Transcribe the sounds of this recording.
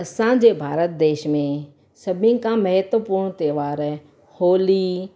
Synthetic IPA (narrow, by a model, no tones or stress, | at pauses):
ɐsãd͡ʑeːbʱaːɾət̪̚d̪eːʃmẽ | sɐbʱĩkãmɐɦɪt̪ʋəpuːɾɳ̃t̪eːʋaːɾ | hoːli